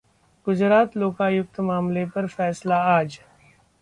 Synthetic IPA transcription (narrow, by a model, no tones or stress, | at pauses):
ɡ̥ʊd͡ʒɾaːt̪loːkaːjʊkt̪maːmlepɐɾfɛːslaaːd͡ʒ